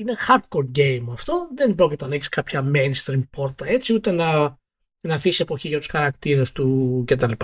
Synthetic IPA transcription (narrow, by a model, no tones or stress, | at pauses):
ine̞xɐɾd̪̚ko̞ɾ̚ɟe̞jmɐft̪o̞ðe̞nbɾo̞cit̪ɐnɐeçi̥skɐpçɐmenst̪ɾimpo̞ɾt̪ɐe̞t͡siut̪e̞nɐ | nɐfisie̞po̞çiʝɐt̪u̥sxɐɾɐkt̪iɾɐst̪uce̞t̪̬ɐlipɐ